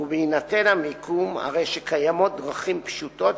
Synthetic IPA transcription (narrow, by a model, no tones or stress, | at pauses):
uveinat̪e̞namikʰuma̰ʁe̞jʃekʰajamo̞t̚d̪ʁaχimpʃut̪o̞t